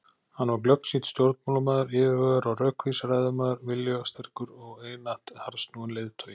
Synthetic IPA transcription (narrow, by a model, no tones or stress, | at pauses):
hanvaɾklœpnsit̪st̪jowɾt̪̚maːlamɛːðaɾɪːðvœːɣaɾawrœːkʰvisraːjðʏmɛːðaɾvɪljɔɣast̪ʰɛɾ̥kʏɾɔɣeːjnaht̪haɾst̪nuːʏnlejðt̪ʰœːjɪ